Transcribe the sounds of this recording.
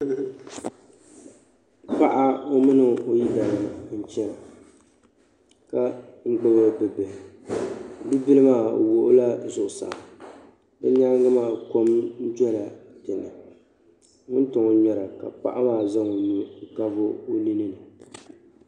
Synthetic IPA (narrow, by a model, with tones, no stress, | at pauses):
pa˦ʔa˦o˦mɨ˦nɨ˨o˦ji˦da˨na˨˦n̩˦t͡ʃɛ˦la˨ | ka˦ŋ͡m̩˦ɡ͡bɛ˦bɨ˦bɨ˨bɛ˨ | bɨ˦bi˦lɨ˦maː˦˨wo˨ʔʊ˦la˦zʊ˨ʔʊ˨sa̰˨ | dɨ˦ɲaː˦ɡɨ˦maː˦˨ko˦mn̩˦d͡ʒɛ˦la˨dɨ˨nɨ˨ | ŋɪ˦n˦tʊ˨ŋo˦ɲɛ˨ɾa˨ka˨pa̰˦ʔa˦maː˦˨za˦ŋo˨nu˦˨ka˦vʊ˦o˦li˦nɨ˦nɨ˨